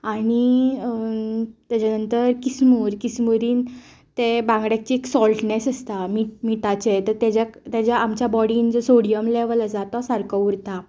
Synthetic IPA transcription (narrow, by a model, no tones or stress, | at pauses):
aɽ̃i | t̪jat͡ɕanənt̪əɾkismuɾkismuɾiːn | t̪ebãŋɡɽjak̚t͡ɕieksɔlʈnesəst̪amiʈmiʈat͡ɕet̪əɾt̪jad͡ʑakt̪jad͡ʑjaamt͡ɕjabɔɽiːnd͡zəsoɽijəmleʋlad͡zat̪ɔsaɾkɔuɾt̪a